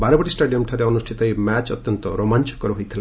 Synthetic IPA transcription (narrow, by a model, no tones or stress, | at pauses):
baɾebɔʈisʈaɖijɔmʈʰaɾeɔnusʈʰit̪ɔemɛt͡ʃɔ̰t̪jɔnt̪ɔ̰ɾomant͡ʃɔ̥kɔɾuɦojt̪ʰila